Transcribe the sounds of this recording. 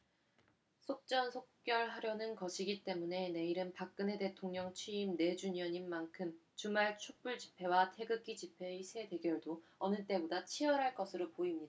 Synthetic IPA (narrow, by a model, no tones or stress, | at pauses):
sʰok̚t͡ɕ͈ʌnsʰok̚k͈jʌɭɦaɾjʌnɯnkʌɕʰiɡit͈e̞mune̞ne̞iɾɯnpak̚k͈ɯnɦe̞te̞tʰoŋɲʌŋt͡ɕʰɥiːmne̞d͡ʑuɲʌɲimːankʰɯmt͡ɕumaɭt͡ɕʰok̚p͈uɭd͡ʑi̥pʰe̞watʰe̞ɡɯk͈id͡ʑipʰe̞isʰe̞te̞ɡjʌɭdoʌnɯt͈e̞bodat͡ɕʰiʌɾɦaɭk͈ʌsʰɯɾopoimɲida